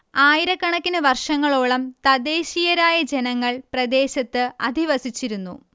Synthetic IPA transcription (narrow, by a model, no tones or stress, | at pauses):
aːjiɾɐkːɐɳɐkʲːinɨʋɐrʂɐŋːɐɭoːɭɐmt̪ɐd̪e̞ːɕijɐɾaːjɐd͡ʑenɐŋːɐɭprɐd̪e̞ːɕɐt̪ːɨɐ̰d̪ʱiʋɐsit͡ɕːiɾunːṵ